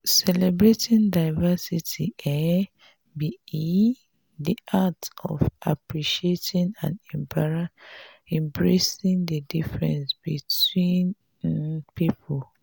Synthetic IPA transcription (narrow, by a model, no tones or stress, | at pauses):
sɛlɛbɹetĩndaɪvasitʰiɛ | bii | diʔatɔ̰va̰pɹiʃietʰĩnã̰nɛ̃mpʰaɹaɛ̃mbɹesĩndədifɹɛ̰̃nsbitwĩn | pʰipʰol